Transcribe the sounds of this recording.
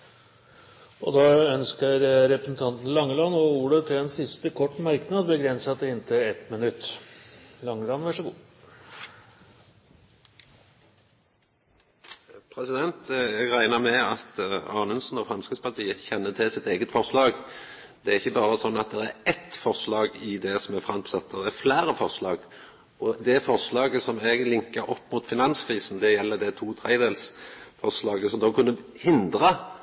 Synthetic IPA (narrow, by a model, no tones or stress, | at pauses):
ʔɔ̰d̪ɑːœnskəɾɾɛpɾəsn̩t̪ʰɑnt̪n̩lɑŋːəlɑnːɔuːɖət̪ʰɪlɛnsɪst̪əkʰɔʈːmɑɾknɑd̪bəɡɾɛnsɑt̪ɛɪnt̪ʰəɛt̪mɪnʉt̪ː | lɑŋːəlɑnʋæʂəɡṵː | pʰʁɛsɪd̪ɛnt̪jæɡʁæɪnəmɛɑt̪ɑːnʉnsnɔfʁɑnskəspɑʁt̪ʰiːəçɛnːət̪ʰɪsɪt̪eːɡət̪fɔʁslɑːɡ | d̪ɛæɾɪçːəbɑːʁəsɔnːɑt̪̚d̪ɛɾæɾɛt̪fɔʁslɑːɡɪd̪ɛsɔmɛfʁɑnt̪sɑt̪̚d̪ɛæflæːɾəfɔʁslɑːɡ | ɔd̪ɛfɔʁslɑːɡəsɔmɛɡlɪŋkəɾʔɔpːmuːt̪fɪnɑnskʰʁiːsn̩d̪ɛjɛlːəd̪ɛt̪ʰuːt̪ʰʁæɪd̪eːlsfɔʁslɑːɡəsɔmd̪oːkʰʉnːə | hɪnd̪ʁə